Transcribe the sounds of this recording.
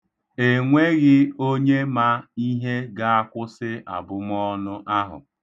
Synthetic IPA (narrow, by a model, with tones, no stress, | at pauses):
e˨ŋʷe˦ɣɪ˦o˦ɲe˦ma˦i˦ɦe˦ɡa˦a˦kʷʊ˦sɪ˦ʔa̰˨bʊ˦m˦ɔ˦nʊ˦ʔa˦ɦʊ̰˨